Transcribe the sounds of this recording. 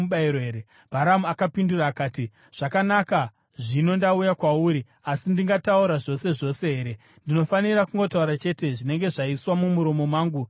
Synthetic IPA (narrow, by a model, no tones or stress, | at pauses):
ɓaiɾoeːɾe | b̥ʱaɾamuakapinduraːkaːti | ʐ̥akanaka | ʐino̞ndaujakwauːɾi | asindiŋɡatauɾaʐo̞se̞ʐo̞se̞ɦe̞ːɾe | ndino̞fanirakuŋɡo̞tauɾat͡ʃe̞ːte̞ʐine̞ŋɡe̞ʐaiswamumuɾo̞mo̞mwaːŋɡu